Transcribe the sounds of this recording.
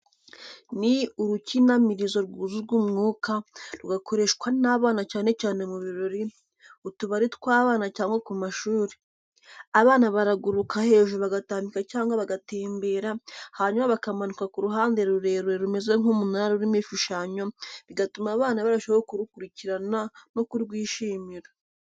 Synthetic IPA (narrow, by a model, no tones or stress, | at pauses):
niuɾucinamiɾizo̞ɾɡuzuɾɡumŋuːkaɾuɡakʰo̞ɾe̞ʃkwanaβaːnacaːne̞caːne̞muβiɾo̞ɾi | utuβaɾitkwaːβaːnacaːŋɡakumaʃuːɾe | aβaːnaβaɾaɡuɾukahe̞ːʒuβaɡataːmbikacaːŋɡaβaɡate̞ːmbe̞ːɾahaɲumaβakamanukakuɾuɦaːnde̞ɾuɾe̞ːɾeɾume̞zeŋ̥umunaaɾuɾimifuʃaɲo̞βiɡatumaːβaːnaβaɾaʃewokuɾukuɾiciɾanano̞kuɾɡwiːʃiːmiɾo